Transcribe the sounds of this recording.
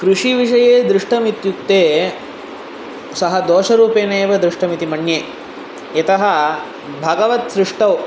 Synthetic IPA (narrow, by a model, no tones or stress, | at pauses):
kɾuʂiʋiʂɐjeːd̪ɾɪʂʈɐmit̪jukt̪eː | sɐɦɐd̪oːʃɐɾuːpeːneːʋɐd̪ɾɪʂʈɐmit̪imɐɳjeː | ɐt̪ɐɦɐ̆ | bʱɐɡɐʋɐt̪sɾɪʂʈɐw